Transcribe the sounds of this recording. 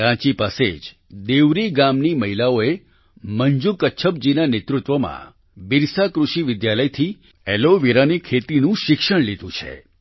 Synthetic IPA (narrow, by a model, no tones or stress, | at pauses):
ɾãt͡ʃipasḛd͡ʒ | d̪eʋɾiɡamniməɦilaoe | məɲd͡ʒukətːʃʰəp̚d͡ʒinanet̪ɾut̪ʋəmã̰ | biɾsakɾuʃiʋɪd̪jaləjt̪ʰi | ɛloʋiɾanikʰet̪inũʃɪkʃəɽ̃lid̪ʱũt͡ʃʰḛ